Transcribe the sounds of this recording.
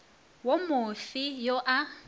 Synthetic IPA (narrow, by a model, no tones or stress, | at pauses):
womʊfɪjoʔa